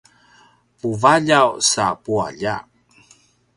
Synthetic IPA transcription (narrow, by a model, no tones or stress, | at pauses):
puvaʎawsa̰pua̰ʎa